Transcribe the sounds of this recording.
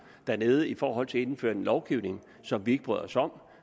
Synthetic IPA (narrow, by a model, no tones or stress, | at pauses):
d̥æɐne̝ːð̞ˠəifɒːɦɒ̽l̰t͡sʰe̝e̝nfø̰ːɐe̝nlɒʊɡ̥iʊne̝ŋ | sɒ̽mʋie̝ɡ̥əb̥ʁ̰ð̰ˠɒsɒ̽m̰